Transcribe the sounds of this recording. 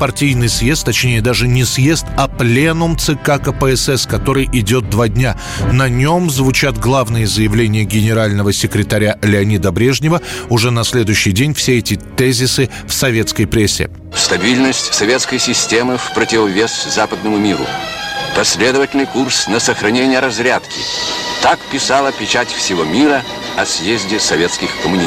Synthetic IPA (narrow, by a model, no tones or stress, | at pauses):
pɐrtʲijnɨjsje̞st̪ːɐt͡ɕnʲejəd̪aʐɨnʲɪsje̞st̪ɐplʲenʊmt̪sɨkakəpɛɛsɛskɐt̪o̞ɾɨjʔɪdʲo̞t̪̚d̪vadʲnʲa | nɐnʲo̞mzvʊt͡ɕat̪ɡlˠavnɨjəzəjɪvlʲenʲɪjəɡʲɪnʲɪɾalʲnəvəsʲɪkɾʲɪt̪ɐɾʲalʲɪɐnʲid̪əbɾʲe̞ʐnʲɪvəʊʐɛnɐsʲlʲe̞d̪ʊjʉɕːɪjdʲenʲfsʲeɛtʲɪt̪ɛzʲɪsɨ | fsɐvʲe̞t̪skəjpɾʲesʲːɪ̰ | st̪ɐbʲilʲnəsʲtʲsɐvʲet̪skəjsʲɪsʲtʲemɨfpɾətʲɪvɐvʲeszapəd̪nəmʊmʲiɾʊ̰pɐsʲlʲe̞d̪əvətʲɪlʲnɨjkursnəsəxɾɐnʲenʲɪjəɾɐzɾʲat̪kʲɪ̰t̪akpʲɪsalˠəpʲɪt͡ɕatʲfsʲɪvomʲiɾə | ɐsʲjezʲdʲɪsɐvʲet̪skʲɪxkəmʊnʲi